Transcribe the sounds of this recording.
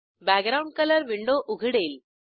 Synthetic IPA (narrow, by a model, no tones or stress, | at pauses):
baːɡɾɐʊɳɖ̚kɐlɐɾʋɪɳɖoːʔʊɣɪɽeːl